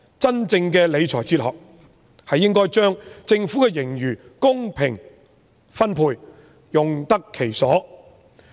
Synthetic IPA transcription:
t͡sɐ˥nt͡sɪ˧ŋkɛː˧le˨˧jt͡sʰɔː˨˩jt͡siː˧t̚hɔ̰ː˨k̚ | hɐ˨jːɪ˥ŋkɔː˥jt͡ʃœː˥ŋt͡sɪ˧ŋfu˨˦˥kɛ˧jɪ˨˩ŋjyː˨˩ | kʊ˥ŋpʰɪ̰˨˩ŋ | fɐ˥npʰuː˧j | jʊ˨ŋt̪ɐ˥kʰːe˨˩jsɔː˨˥

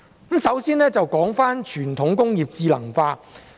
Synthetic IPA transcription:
msɐ˨˥wsiː˥nɛː˥t͡sɐ˨wkɔː˨˥ŋfaː˥nt͡ʃʰyː˨˩nt̪ʰʊ˨˥ŋkʊ˥ŋjiː˨p̚t͡siː˧lɐ˨˩ŋfaː˧

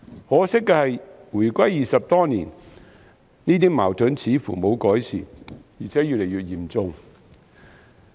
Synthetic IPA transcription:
hɔː˨˥sɪ˥kːɛː˧hɐ˨jwuː˨˩jkʷɐ˥jːiː˨sɐ˨p̚t̪ɔː˥niː˨˩n | niː˥t̪iː˥maː˨˩wt̪ʰɵ˨˥nt͡sʰiː˨˥fṵ˨˩mo˨˧wkɔː˨˥jsḭː˨˩jiː˨˩t͡sʰɛː˨˥jy˨t̚le˨˩jɥyː˨t̚jiː˨˩mt͡sʊ˨ŋ

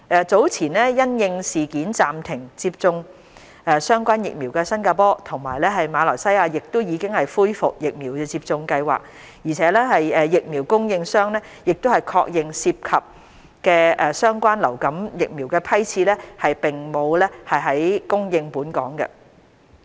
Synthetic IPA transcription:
ʔɛː˨t͡so˨˥wt͡sʰiː˨˩nlɛː˥jɐ˥njɪ˧ŋsiː˨kiː˨˥nt͡saː˨mt̪ʰɪ˨˩ŋt͡siː˧p̚t͡sʊ˧ŋ | ɛː˨˧sœː˥ŋkʷaː˥njɪ̰˨k̚miː˨˩wkɛː˧sɐ˥nkaː˧pɔː˥t̪ʰʊ˨˩ŋma̰ː˨˩jlɛː˥ɦɐ˨jmaː˨˧lɔ̰ː˨˩jsɐ˥jaː˧jɪ˨k̚t̪o˥wjiː˨˧kɪ˥ŋhɐ˨jfuː˥jfʊ˨k̚jɪ˨k̚miː˨˩wkɛː˧t͡siː˧p̚t͡sʊ˧ŋkɐ˧jwa̰ː˨˩k̚ | jiː˨˩t͡sʰɛː˨˧˥lɛː˥hɐ˨jɛː˨˧jɪ˨k̚miː˨˩wkʊ˥ŋjɪ˧ŋsœː˥ŋlɛː˥ | jɪ˨k̚t̪o˥whɐ˨˩jkʰɔː˧k̚jɪ˨ŋsiː˧p̚kʰɐ˨p̚ | kɛː˧ɛː˧sœː˥ŋkʷaː˥nlɐ̰˨˩wkɐ˨˥mjɪ˨k̚miː˨˩wkɛː˧pʰɐ˥jt͡sʰiː˧lɛː˥hɐ˨jpɪ˨˩ŋmo˨˧wlɛː˥hɐ˨jɦɐ˨˥jkʊ˥ŋjɪ˧ŋpuː˨˥nkɔ̰ː˨˥ŋɡɛ̰˧

